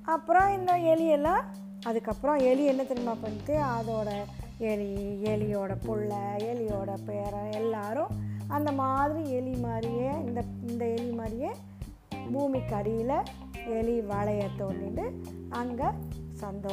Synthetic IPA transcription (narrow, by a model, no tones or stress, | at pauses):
ɐpːɯɾɔ̃ɪnd̪ɐɛɭɪɛlːãː | ɐðɯkːɐpːɯɾɔ̃ɛlɪɛnːɐt̪ɪɾɪmaːpɐɳːɪt̪ːɯɐðoːɽɐ | ɛliɛlɪjoːɽɐpʊɭːɐɛɭɪjoːɽɐpeːɾɐ̃ɛlːaːɾʊ̃ɐnd̪ɐmaːðɪɾiɛɭimaːd̪ɾɪjẽːɪnd̪ɐɪnd̪ɐɛɭɪmaːdɾɪjẽː | buːmikːɐɽɪjɪlɐ | ɛɭiʋɐɭɐjɐt̪ːoːnːɪʈɯɐŋɡɐsɐnd̪oː